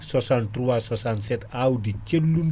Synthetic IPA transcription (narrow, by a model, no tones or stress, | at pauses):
sɔsant̪ruasɔsansɛt̪audit͡ʃəlːum